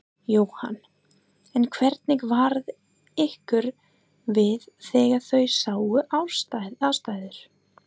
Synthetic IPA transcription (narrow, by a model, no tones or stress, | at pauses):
joːwha̰n | ɛnkʰvɛɾt̪nɪkvaɾð | ehkʏɾ | vɪðθɛːɣḁθœɥsaːwʏʔawst̪aðast̪aːjðʏɾ̥